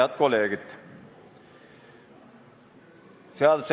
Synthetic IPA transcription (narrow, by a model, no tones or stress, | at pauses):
ɑt̪̚koleːɡ̥it̪ | seɑls